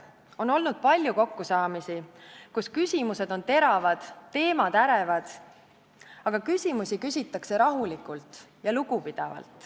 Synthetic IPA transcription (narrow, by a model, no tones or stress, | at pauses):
o̞no̞lnud̪̥̚pɑlʲjuko̞kːusɑːmisikuskysʲimuse̞d̪̥o̞nt̪e̞ɾɑvɑd̪̥t̪ːe̞ːmɑd̪æɾevɑd̪̥ | ɑɡ̥ɑkysʲimusikysʲit̪ːˑɑkse̞ɾɑɦulikˑult̪ˑ | jɑluɡ̥upid̪̥ɑvɑ̰lt̪ˑ